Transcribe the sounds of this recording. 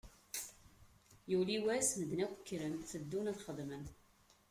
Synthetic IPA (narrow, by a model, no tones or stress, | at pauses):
juliwæsməd̪nækʷə̥kːɾənθəd̪ːunæðχəðmən